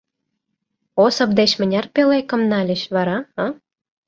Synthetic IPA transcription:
osɤ̆p̚d̪eɕmə̆nʲɑrpelekə̆mnɑlʲə̆ɕβɑɾɑɑ

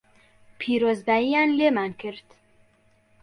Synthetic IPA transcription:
pʰiɾozd̪æianlemankʰiɾd̪

